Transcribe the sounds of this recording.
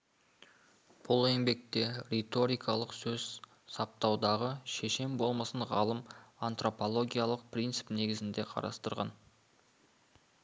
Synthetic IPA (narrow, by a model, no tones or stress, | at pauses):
b̥ʊlˠe̞ŋbe̞k̚t̪e̞ɾʲet̪o̞ɾijkʰɑlˠəqsɵz | sɑp̚t̪ɑwd̪ɑʁəʃeʃe̞mbo̞lˠmɑsəɴʁɑlˠəmant̪ro̞po̞lˠo̞ɡʲijalˠəq̚prʲijnt̪sɨ̥pne̞ɡʲɪzɪnd̪e̞qʰɑ̰ɾɑ̰st̪əɾʁɑ̰n